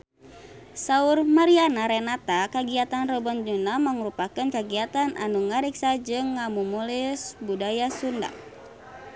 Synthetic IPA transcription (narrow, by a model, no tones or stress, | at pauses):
saurmaɾianaɾɛnat̪akaɡiat̪anrɔbɔnd͡ʒunamaŋɾupakənkaɡiat̪anʔa̰nuŋaɾiksad͡ʒɨŋːamumulisbudajasunda̰ʔ̚